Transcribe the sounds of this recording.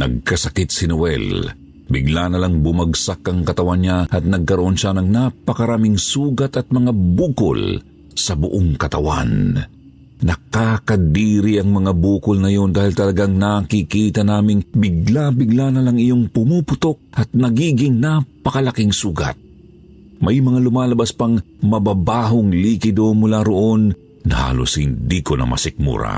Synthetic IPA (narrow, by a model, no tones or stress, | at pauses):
nɐ̰ɡ̚kɐsɐkɪt̪̚sɪnowɛ̰l | bɪɡlaːnɐlaŋbʊmɐɡsakːɐŋkɐt̪ɐwanɲaʔɐt̪̚nɐɡ̚kɐɾoʔonʃanɐŋnapɐkɐɾaːmɪŋsuːɡɐt̪ɐt̪̚mɐŋabuːko̰l | sɐbʊʔoŋkɐt̪ɐwa̰nː | ɐkakɐd̪iːɾiʔɐŋmɐŋabuːkʊlnɐjo̞nd̪aːhilt̪ɐlɐɡaŋnakikiːt̪ɐnaːmɪŋbɪɡlabɪɡlaːnɐlɐŋɪjoŋpʊmuːpʊt̪ok̚ʔɐt̪̚nɐɡiːɡɪŋnapɐkɐlɐkɪŋsuːɡɐ̰t̪̚ | mɐjmɐŋalʊmaːlɐbaspɐŋmɐbaːbaːɦoŋliːkɪd̪onmʊlaːɾoʔo̞n | ha̰ːlo̰shɪ̰nd̪iːkonɐ̰mɐ̰sɪk̚mṵɾa̰